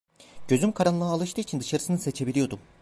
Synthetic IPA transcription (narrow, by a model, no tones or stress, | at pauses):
ɟ̥ø̞zymkʰaɾanlˠaalˠɯʃt̪ɯit͡ʃʰind̪ɯʃaɾɯsɯnɯse̞t͡ʃʰe̞bilʲijo̞d̪um